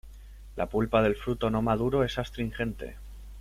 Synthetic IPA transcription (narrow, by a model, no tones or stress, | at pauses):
lʔa̰pulpaðe̞lfɾut̪o̞no̞mað̞uɾo̞e̞sast̪ɾiŋxe̞nt̪e̞̰